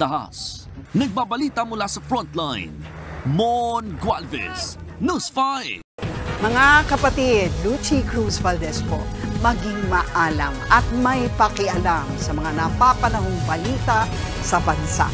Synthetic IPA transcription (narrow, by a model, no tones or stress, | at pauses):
ɐɦa̰s | nɐɡ̚babɐliːt̪ɐmʊlasɐfɹɔnt̪lajnmonɡwalvɛ̰snɐsfaj | mɐŋakɐpɐt̪id̪lut͡ʃikɹusvɐld̪ɛspo̰mɐɡɪŋmɐʔaːlɐmɐt̪̚mɐjpɐkɪʔɐlamsɐmɐŋanɐpapɐnɐɦoŋbɐliːt̪a | sɐbɐnsa̰